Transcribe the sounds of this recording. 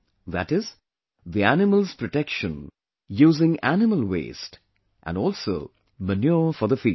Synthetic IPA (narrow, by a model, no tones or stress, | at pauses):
ðæ̰ʈɪz | ðiænɪməlz̥pɾɔʈɛkʃə̃n | juːzɪ̃ŋænɪməlwḛːsʈ | ʔæ̰̃nɔːlˠso̰ː | mənjuːfɔðəfiː